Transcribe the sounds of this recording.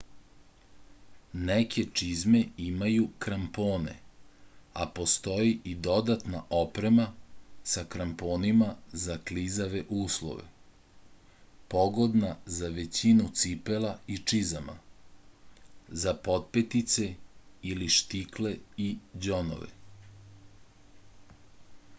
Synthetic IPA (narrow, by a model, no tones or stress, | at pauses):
nekʰe̞t͡ʂizme̞imajukɾampoːne̞̰ | a̰po̞st̪o̞jiʔid̪o̞d̪at̪naʔopɾe̞masakɾampo̞ːnimazaklizaʋe̞ʔuːslˠo̰ʋḛ | po̞ɡo̞d̪nazaʋe̞t͡ɕinut̪sipe̞lait͡ʃizama̰ | zapo̞t̪̚pet̪it̪se̞iliʃt̪ikle̞id͡ʑo̞no̰ʋḛ